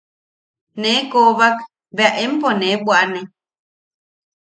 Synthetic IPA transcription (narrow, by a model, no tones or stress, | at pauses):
nẽkoβak | βeaʔemponebwʔanẽ